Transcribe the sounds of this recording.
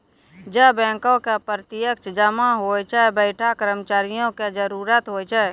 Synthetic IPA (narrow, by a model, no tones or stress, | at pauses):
d͡ʒəbɛ̃ːkõkepɾət̪ɪjəkt͡ʃd͡ʒəmaɦojt͡ʃʰɛbəɪʈʰakəɾəmt͡ʃaːɾɪjõked͡ʒəɾuːɾət̪ɦojt͡ʃʰɛ